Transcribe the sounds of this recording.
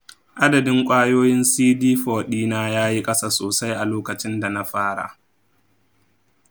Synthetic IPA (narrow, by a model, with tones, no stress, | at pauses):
ʔa˦dɐ˨dɪ˦ŋkʷʼaː˦joː˦jɪ˦nsiː˦diː˦ɸɔː˨ɗiː˦naː˦jaː˦ji˦kʼɐ˦saː˨soː˨sa˦jʔa˨loː˦kɐ˨t͡ʃɪ˦nda˨na˦ɸaː˦ɽa̰˨